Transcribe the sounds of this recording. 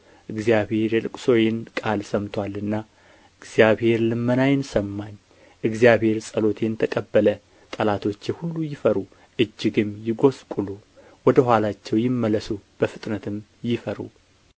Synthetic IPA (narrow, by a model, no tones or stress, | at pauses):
ʔɨɡzjabhe̞ɾjɛlɨkʷʼso̞jɪnkʼalsəmt̪ʰwalɨnːa | ʔɨɡz̥ijaβhe̞ɾlɨmːənajɪnsəmːaɲː | ʔɨɡzijabhe̞ɾsʼəlo̞t̪ʰe̞nt̪ʰəkʼəbːələ | t̪ʼəlat̪ʰo̞t͡ʃːjɛhulːujɪfəɾu | ʔɨd͡ʒːɪɡɨmjɪɡo̞skʼulu | wɔd̪əɦʷwalat͡ʃːɛwjɪmːələsub̥əfɨt̪ʼnət̪ʰɨmjɪfəɾṵ